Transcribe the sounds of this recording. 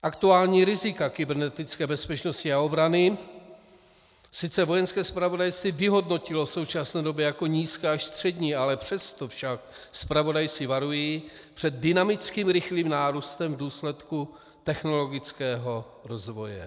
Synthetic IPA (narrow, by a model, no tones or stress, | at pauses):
ʔakt̪uaːlɲiːɾɪzɪkakɪbɛɾnɛt̪ɪt͡skɛːbɛspɛt͡ʃno̞scɪao̞bɾanɪ | sɪt͡sɛvo̞jɛnskɛːspɾavo̞dajst̪viːvɪɦo̞dno̞cɪlosowt͡ʃasnɛːdo̞bjɛjako̞ɲiːskɛːaʃst̪r̝̥ɛdɲiːalɛpr̝̥ɛst̪o̞fʃak̚spɾavo̞dajt͡sɪvaɾujiːpr̥ɛd̪̚dɪnamɪt͡skiːmɾɪxliːmnaːɾust̪ɛmvduːslɛt̪ku | t̪ɛxno̞lo̞ɡɪt͡skɛːɦo̞ | ɾo̞zvo̞jɛ̰